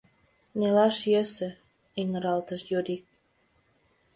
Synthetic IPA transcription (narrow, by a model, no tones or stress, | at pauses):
nelɑʃjesə̆ | iŋə̆ɾɑlt̪əʃjoɾik̚